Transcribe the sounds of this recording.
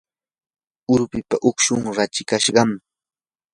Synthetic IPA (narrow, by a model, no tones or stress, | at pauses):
ʊɾpɪpaʔʊkʃʊŋɾat͡ʃɪkaʃɢɑm